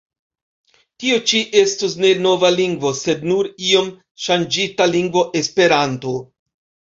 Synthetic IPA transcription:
tiot͡ʃiʔe̞stus̬ne̞no̞valiŋɡvo̞se̞dnuɾio̞m | ʃand͡ʒitaliŋɡvo̞ʔe̞spe̞ɾanto

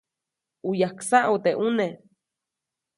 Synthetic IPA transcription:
ujaksaʔut̪eʔune

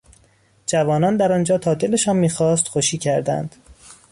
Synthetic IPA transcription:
d͡ʒævɒːnɒːnd̪æɾɒnd͡ʒɒːt̪ʰɒːd̪eleʃɒːnmiːxɒːst̪xoʃiːcʰæɾd̪æ̰nd̪̥

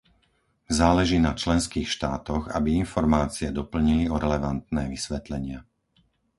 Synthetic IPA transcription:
zaːlɛʒiːnat͡ʃlɛnskiːxʃt̪aːt̪ɔɣa̰biinfɔɾmaːt͡siɛd̪ɔpl̩ɲiliɔɾɛlɛʋant̪nɛːʋisʋɛt̪lɛɲɪa

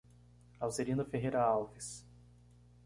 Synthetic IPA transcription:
awzeɾĩnd̪ʊfeɦejɾɐawvis

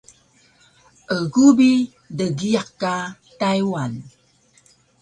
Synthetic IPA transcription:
ʔəɡubi | dəɡiakːa | tajwan

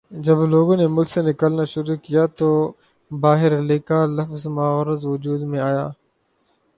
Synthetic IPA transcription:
d͡ʒɐbloːɡõːnemʊlksenɪkəlnaʃʊɾukijat̪oː | baːɦɪɾlɪkalɐfzmaːɾəzʋʊd͡ʒuːd̪mẽaːjaː

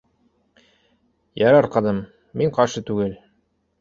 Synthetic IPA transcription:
jɑɾɑɾqɑd̪ɤmː | iɴqɑɾʃɤt̪ʉɡɘl

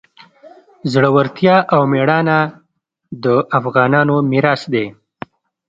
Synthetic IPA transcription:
zɽəwaɾt̪jɑʔawmeɽɑna | d̪əʔafɣɑːnɑnomɪɾɑsd̪e

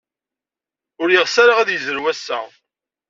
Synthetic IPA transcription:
ʊɾjiʁsaɾaʁaðjəzəɾwæsːæ

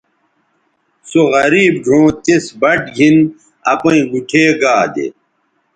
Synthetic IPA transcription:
soɣɐɾiːbɖʱõːt̪esbɐʈɡʱin | ɐpɐ̃ĩɡuʈʰeːɡaːd̪ḛ

